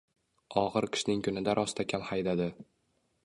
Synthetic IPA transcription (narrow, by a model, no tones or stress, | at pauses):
ɒʁɨɾqʰɨ̥ʃnɪŋkʰʊnɪd̪aɾʔɒst̪ʰakʲʰamhajd̪ad̪ɪ